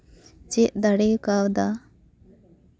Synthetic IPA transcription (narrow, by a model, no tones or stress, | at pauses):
t͡ʃɛʔd̪aɽejkawd̪a